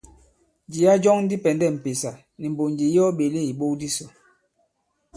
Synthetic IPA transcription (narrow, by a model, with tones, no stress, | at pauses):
d͡ʒi˨a˦d͡ʒɔ˦ŋ̩˦di˦pɛ˨ndɛ˦˨m̩˨pe˨sa˨ | ni˨m̩˨bo˨nd͡ʒi˨jɔ˦ɓe˨le˦˨i˨ɓo˦kdi˦sɔ˨